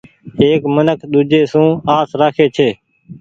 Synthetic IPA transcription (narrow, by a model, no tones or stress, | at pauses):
eːkmənəkʰɗ̪uːd͡ʒeːsũːaːsɾaːkʰeːt͡ʃʰeː